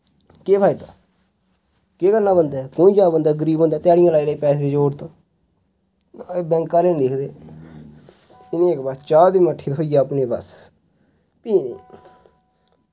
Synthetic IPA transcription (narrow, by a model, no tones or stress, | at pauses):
keːpʰaːiːt̪õː | keːkənːãːbənd̪aːkõːĩːd͡ʒaːbənd̪aːɡəɾiːbɦõːnd̪aːt̪ɪjaːɽɪjãːlaːileiːpɛːs̬ːed̪eːd͡ʒoːɽt̪õː | bɛ̃ːŋkaːleːnːlɪkʰd̪eː | ɪnẽːɪkbəst͡ʃaːld̪ĩːməʈʰːiːt̪ɦoːijaːəpneːbə̰s | piːnḛː